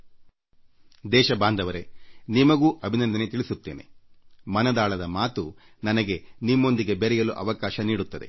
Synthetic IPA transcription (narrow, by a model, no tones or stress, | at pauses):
d̪ɛːʃɐbaːnd̪ɐʋɐɾe̞nimɐɡuːʔɐbʱinɐnd̪ɐne̞t̪iɭisut̪ːeːne̞̰mɐnɐd̪aːɭɐd̪ɐmaːt̪u | nɐnɐɡe̞nimːo̞nd̪iɡe̞beɾɛjɐluʔɐ̰ʋɐkaːʃɐniːɽut̪ːɐd̪e̞̰